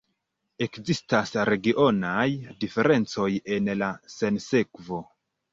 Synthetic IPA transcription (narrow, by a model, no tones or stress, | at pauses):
e̞kzistasɾe̞ɡiʔo̞najdife̞ɾʔe̞nt͡so̞je̞nlase̞nse̞kvo̞